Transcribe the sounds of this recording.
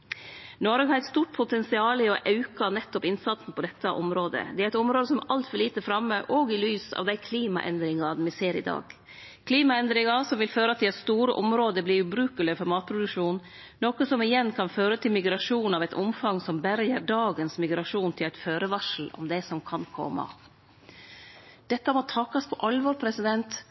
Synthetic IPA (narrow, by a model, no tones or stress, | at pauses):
nɔɾɡhɑɾɛt̪st̪uːʈ̚pʰʊt̪ʰɛnsɪɑːlɪɔʔɑʉkɑnɛt̪ːɔpɪnsɑt̪sn̩pʰɔd̪ɛt̪ːɑʔɔmɾoːd̪ə̰d̪ɛæɾɛt̪ɔmɾoːd̪əsɔmɑlt̪fœɭiːt̪əfɾɑməʔɔɡɪlyːsɑ̰ːʋd̪æɪkʰliːmɑ̰ʔɛ̰nd̪ɾɪŋɑd̪mɪseːɾɪ̰d̪ɑ̰ːɡ | kʰliːmɑɛnd̪ɾɪŋɑsɔmʋɪlføːɾəɑt̪ʰːɪlɛt̪st̪uːɾəʔɔmɾoːd̪əbliːɾʉːbɾʉːkəlɪfɔɾmɑːt̪̚pʰɾʊd̪ʉkʂuːn | noːkəsɔmɪjɛnkʰɑnføːɾət̪ʰɪlmɪɡɾɑʂuːnɑʋɛt̪ɔmfɑŋsɔmbæɾjəɾɖ̪ɑːɡənsmɪɡɾɑʂuːnt̪ʰɪlæɪt̪føːɾəʋɑʂl̩ɔ̰md̪ɛɪsɔmkʰɑnkʰɔ̰mːɑ̰ | d̪̥ɛt̪ːəmot̪ʰɑkɑspʰɔʔɑlːʋɔːɾpʰɾɛsɪd̪ɛnt̪